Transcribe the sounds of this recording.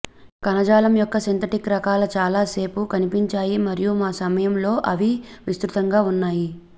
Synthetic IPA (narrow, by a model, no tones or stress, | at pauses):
kɐnɐd͡ʒaːlɐmjɔkːɐsent̪ʰɐʈikɾɐkaːlɐt͡ʃaːlaːse̞ːpukɐnipiɲt͡ʃaːjimɐɾijumaːsɐmɐjɐmlo̞ːʔɐʋiʋist̪ɾut̪ɐŋɡaːunːaːji